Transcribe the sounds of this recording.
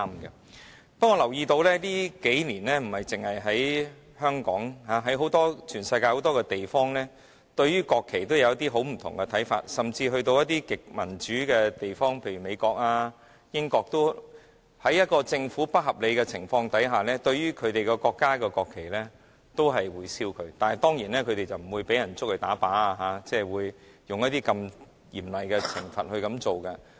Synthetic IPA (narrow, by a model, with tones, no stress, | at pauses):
aː˥mɡɐ˧ | pɐ˥kːɔː˧lɐ˨˩wjiː˧t̪o˧wlɛː˥liː˥ke˨˥jniː˨˩nlɛː˥m̩˨˩hɐ˨jt͡sɪ˨ŋhɐ˨jɦɐ˨˥j | hœː˥ŋkɔː˨˥ŋɦaː˨˧ɦɐ˨˥jɦo˨˥wt̪ɔː˥t͡ʃʰyː˨˩nsɐ˧jkaː˧ho˨˥wt̪ɔː˥kɛ˧t̪e˨jfɔː˥ŋlɛː˥ | t̪ɵ˧ɥyː˥kɔː˧kʰːe˨˩t̪wjɐ˨wjɐ˥t̪iː˥ɦo˨˥wm̩˨˩t̪ʰʊ̰˨˩ŋkɛ˧t̪ʰɐ˨˥jfa̰ː˧t̚sɐ˨mt͡siː˧ɦɵ˧ɥt̪o˧wjɐ˥t̪̚iː˥kɪ˨k̚mɐ˨˩nt͡ʃyː˨˥kɛ˧t̪e˨jfɔː˥ŋpʰe˧jɥy˨˩me˨˧jkɔː˧k̚aː˧ | jɪ˥ŋkɔː˧k̚t̪o˥w | hɐ˨˥jɐ˥t̚kɔː˧t͡sɪ˧ŋfuː˨˥pɐ˥t̚ɦɐ˨p̚le˨˧jkɛ˧t͡sʰɪ˨˩ŋfɔː˧ŋt̪ɐ˨˥jɦaː˨lɛː˥t̪ɵ˧ɥyː˥kʰɵ˨˧ɥt̪e˨jkɛ˧kɔː˧kːaː˥kɛ˧kɔː˧kʰːe˨˩jlɛː˥ | t̪o˥wɦɐ˨jwuː˨˧jsiː˥wkʰɵ˨˧ɥt̪aː˨nhɐ˨˩jt̪ɔː˥ŋjiː˨˩nlɛː˥kʰɵ˧t̪e˨˩jt͡sɐ˨wm̩˨˩wuː˨˧jpe˨˥jɐ˨˩nt͡sʊ˥k̚hɵ˧ɥt̪aː˨˥paː˨˥a˧ɦaː˨˧˦t͡sɛː˥˩wuː˨˧j | jʊ˨ŋjɐ˥t̪iː˥kɐ˧m | jiː˨˩mlɐ˨jkɛ˧t͡sʰɪ˨˩ŋfɐ̰˨t̚hɵ˧ɥkɐ˨˧˥mt͡so˨wkɐ˧